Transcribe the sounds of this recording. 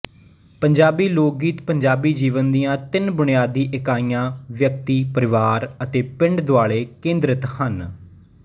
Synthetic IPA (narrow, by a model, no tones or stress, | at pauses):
pəɲd͡ʒaːbiːloːk̚ɡiːt̪pəɲd͡ʒaːbiːd͡ʒiːʋənd̪ijãːt̪ɪnbʊɳijaːd̪iːʔɪkaːiːjãːʋjək̚t̪iːpəɾɪʋaːɾət̪eːpɪ̃ɳɖd̪oʊaːɭeːkẽːnd̪ɾət̪hən